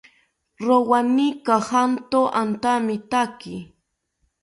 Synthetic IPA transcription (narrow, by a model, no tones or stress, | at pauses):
ɾowanɪkahant̪oʔant̪amɪt̪akɪ